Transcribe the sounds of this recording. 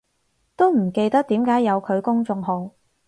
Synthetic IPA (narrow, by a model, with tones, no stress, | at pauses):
t̪o˥wm̩˨˩ke˧jt̪ɐ˥k̚t̪iː˨˥mkaː˨˥jːɐ˨˧wkʰɵ˨˧ɥkʊ˥ŋt͡sʊ˧ŋɦo˨˧ŋ